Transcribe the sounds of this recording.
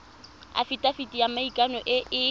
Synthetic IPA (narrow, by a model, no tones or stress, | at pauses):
a̰fitʼafitʼijamaikʼanɔʔɪɪ